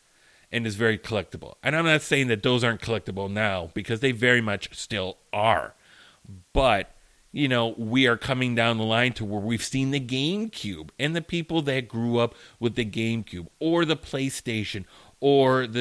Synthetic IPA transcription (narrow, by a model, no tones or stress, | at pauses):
ʔɨ̃nɨzvɛɹikʰəlɛk̚təbl̩ˠã̰ɪ̃ãɪ̃mnɨtseɪɪ̃ŋðɨt̪̚ðoʊzɑɹnkʰəlɛk̚təbl̩ˠnaʊb̥ɨkʰʌzðeɪvɛɹimʌt͡ʃstɪlˠʔə̰˞ | b̥ʌt̚ | jɨnoʊwiə˞kʰʌ̃mɪ̃ŋdãʊ̃nðəlãɪ̃ntʰəwə˞wiv̥sĩnðɨɡẽɪ̃mkʰj̥ʉbɨ̃nðɨpʰipl̩ˠðɨt̚ɡ̥ɹuʌpwɨðɨɡẽɪ̃mkʰj̥ʉbə˞ðəpʰl̥eɪsteɪʃɨ̃n | ə˞ðɨ